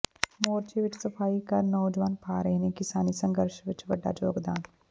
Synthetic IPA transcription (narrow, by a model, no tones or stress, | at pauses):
moːɾt͡ʃiʋɪt͡ʃʰsəpʰaːikəɾnɔːd͡ʒʋaːnpʰaːɾəɦenẽkɪsaːnisə̃ŋɡəɾʃʋɪt͡ʃʋəɖːa̰ːd͡ʒoːɡd̪aːn